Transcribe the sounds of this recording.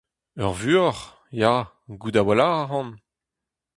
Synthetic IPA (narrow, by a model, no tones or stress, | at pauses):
œ̰ʁvyɔʁ | ja | ɡud̪awalaʁaʁɑ̃n